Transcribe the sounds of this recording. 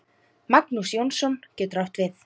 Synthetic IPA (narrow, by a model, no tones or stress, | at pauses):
maknusjownsɔncɛːt̪ʏɾawht̪vɪθ